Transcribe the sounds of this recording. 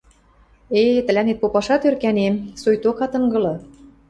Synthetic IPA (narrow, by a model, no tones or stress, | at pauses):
et̪ə̆lʲænet̪̚popɑʃɑt̪ørkænemsojt̪okɑt̪ɤ̆ŋɡɤ̆lɤ̆